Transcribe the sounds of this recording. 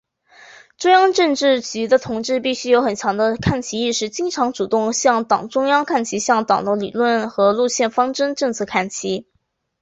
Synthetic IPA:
ʈ͡ʂʊ˥ŋjɑ˥ŋʈ͡ʂɤ˥˧ŋʈ͡ʂɻ̩˥˩t͡ɕy˧˥d̪ə˧t̪ʰʊ˧˥ŋʈ͡ʂɻ̩˥˧pi˥˩ɕy˥jo˧˥ʊxə˨˩nt͡ɕʰjɑ˧˥ŋd̪ə˧kʰa˥˩nt͡ɕʰi˧˥i˥˧ʂɻ̩˥˩t͡ɕi˥ŋʈ͡ʂʰɑ˧˥ŋʈ͡ʂu˨˩t̪ʊ˥˧ŋɕjɑ˥˩ŋt̪ɑ˨˩ŋʈ͡ʂʊ˥ŋjɑ˥ŋkʰa˥˩nt͡ɕʰi˧˥ɕjɑ˥˩ŋt̪ɑ˨˩ŋd̪ə˦lḭ˨˩lwə˥˩nxɤ˧˥lu˥˧ɕjɛ˥˩nfɑ˥ŋʈ͡ʂə˥nʈ͡ʂɤ˥˧ŋt͡sʰɤ˥˩kʰa˥˩nt͡ɕʰi˧˥

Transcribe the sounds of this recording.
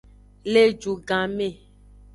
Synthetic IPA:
le˦d͡ʒu˨ɡã˨me˦˨

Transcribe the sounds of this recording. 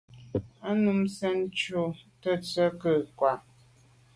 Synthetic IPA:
a˦nu˦msɛ˦n˦t͡ʃo˦tə˦t͡sə˦kə˦˨kwa˨ʔ

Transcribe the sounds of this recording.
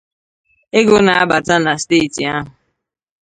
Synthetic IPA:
e˦ɡʊ˦na˨a˦ba˨ta˦na˨steː˦˨ti˨a˦ɦʊ˨

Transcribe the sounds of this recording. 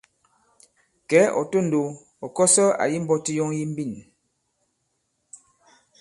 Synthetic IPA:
kɛ˨˦ʔɔ̰˨to˦˨n̩˨do˨ | ɔ˨kɔ˦sɔ˦a̰˨ji˦m̩˦bɔ˦ti˦jɔ˦ŋji˦m̩˦bi˦˨n

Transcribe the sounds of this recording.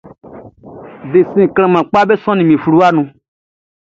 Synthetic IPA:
de˨sĩ˦˨kl̃ã˨mã˨k͡pa˦be˦sɔ̃˦nĩ˨mĩ˨flu˦a˦nũ˧

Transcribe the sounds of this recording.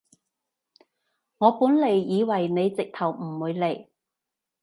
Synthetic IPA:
ŋɔː˨˧puː˨˥nle˨˩jːiː˨˧wɐ˨˩jne˨˧jt͡sɪ˨k̚t̪ʰɐ˨˩wm̩˨˩wuː˨˧jle˨˩j

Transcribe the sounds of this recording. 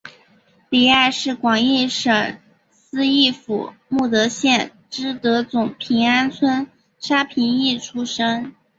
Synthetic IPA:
li˨˩a˥˩ɪʂɻ̩˥˩kwɑ˨˩ŋi˥˩ʂə˨˩ŋ | sɹ̩˥i˥˩fṵ˨˩˦mu˥˩t̪ɤ˧˥ɕjɛ˥˩n | ʈ͡ʂɻ̩˥t̪ɤ˧˥t͡sʊ˨˩ŋpʰi˧˥ŋa˥nt͡sʰwə˥n | ʂa˥pʰi˧˥ŋi˥˩ʈ͡ʂʰu˥ʂɤ˥ŋ

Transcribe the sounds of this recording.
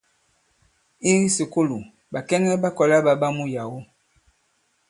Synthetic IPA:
i˦si˨ko˦lu˨ | ba˨kɛ˦ŋɛ˦ba˦kɔ˨la˦ba˦ba˦mu˦ja˨wo˦

